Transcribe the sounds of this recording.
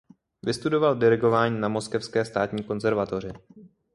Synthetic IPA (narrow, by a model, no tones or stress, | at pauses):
vɪst̪udo̞valdɛɾɪɡo̞vaːɲiːnamo̞skɛfskɛːst̪aːt̪ɲiːko̞nzɛɾvat̪o̞r̝ɪ